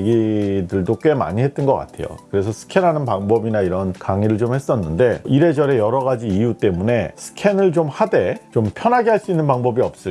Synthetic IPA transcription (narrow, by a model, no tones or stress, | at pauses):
ɡidɯɭdok͈we̞ma̰ɲiɦet͈̚ɯnɡʌk͈a̰tʰe̞̰jo̰kɯɾe̞sʰʌsʰɯ̥kʰe̞nɦanɯnpaŋbʌbinaiɾʌnkaŋiɾɯɭt͡ɕomhe̞s͈ʌnːɯnde̞iɾe̞d͡ʑʌɾe̞jʌɾʌɣad͡ʑiːjut͈e̞mune̞sʰɯ̥kʰe̞nɯɭt͡ɕomhade̞t͡ɕompʰjʌnɦaɡeɦaɭs͈uinːɯnpaŋbʌbiʌp̚s͈ɯ